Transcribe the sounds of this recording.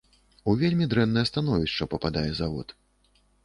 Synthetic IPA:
uvʲelʲmʲid̪ɾɛnːɐjɐst̪anɔvʲiʃt͡ʂɐpɐpad̪ajɛzavɔ̰t̪

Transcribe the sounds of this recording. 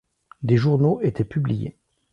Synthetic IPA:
d̪eʒuʁnoʔet̪ʰɛpyblijḛ

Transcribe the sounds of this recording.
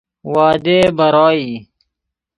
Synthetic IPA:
waːd̪eːbɐɾɑːiː

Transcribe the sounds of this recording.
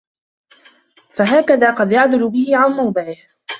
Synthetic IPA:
faɦaːkaðaːqɑd̪jaʕd̪ʊlʊbɪhɪʕanmawd̪ˤɨʕɪh

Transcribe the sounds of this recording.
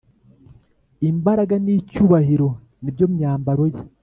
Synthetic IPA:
imbaɾaɡanicuːβahiɾo̞ | nibjoːmuɲaːmbaɾo̞je

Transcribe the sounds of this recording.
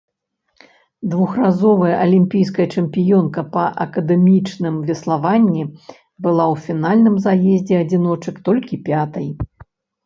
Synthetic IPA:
d̪vuxrazɔvɐjɐʔɐlʲimʲpʲijs̬kɐjɐt͡ʂɛmʲpʲijɔnkɐpɐʔɐkɐd̪ɛmʲit͡ʂnɨmvʲɛslˠavanʲːi | bɨlˠawfʲinalʲnɨmzajɛzʲd͡zʲɛɐd͡zʲin̪ɔt͡ʂɨkt̪ɔlʲkʲipʲat̪ɐj

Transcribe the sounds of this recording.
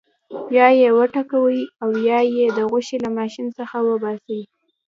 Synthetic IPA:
jɑjewəʈakawəjiawjɑjed̪əɣʊʃelamɑʃinsəxawəbɑsəwi

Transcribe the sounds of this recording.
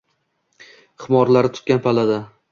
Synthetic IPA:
χɪmɒɾlaɾɪt̪ʰʊ̥t̪̚kʲanpʰalad̪a

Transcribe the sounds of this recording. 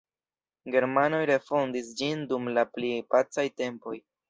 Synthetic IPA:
ɡe̞ɾmano̞jɾe̞fondisd͡ʒindumlaplipat͡sajte̞mpo̞̰j

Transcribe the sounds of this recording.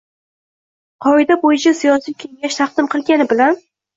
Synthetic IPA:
qʰɒɪd̪abojɪt͡ʃʰasijɒsijkʲʰeŋɡʲaʃt̪ʰɑq̚d̪̥ɪmqʰɨlˠɡʲanɪbɪlan

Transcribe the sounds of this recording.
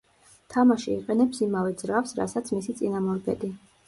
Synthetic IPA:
t̪ʰamaʃḭːqʼɛnɛpsimavɛd̪zɾafsɾa̰sat̪sʰmisit̪sʼinamɔɾɡɛ̰d̪i

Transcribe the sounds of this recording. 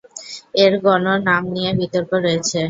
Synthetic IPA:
eɾɡɔnoɾnamnijebit̪oɾkoɾoet͡ɕʰe

